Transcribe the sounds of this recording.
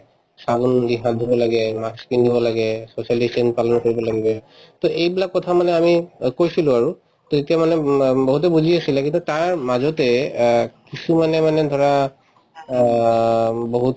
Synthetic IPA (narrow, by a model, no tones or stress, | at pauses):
saɡundiɦãdʱibɔlaɡɛmaskindibɔlaɡɛsosialisinpalɔnkoɹibɔlaɡibɛ | tɔʔejbilakːɔtʰamanɛamikojsilʊ̃aɹu | tɔzetiamanɛboɦut̬ɛbuzʱiasilakĩntutaɹmazɔtɛ | kisumanɛmanɛd̪ʱɔɹa | boɦut